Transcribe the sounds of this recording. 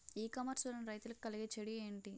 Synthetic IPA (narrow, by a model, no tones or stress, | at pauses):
iːkɐmɐɾsulɐnɾɐjt̪ulɐku̥kɐliɡet͡ʃeɽie̞ːɳʈi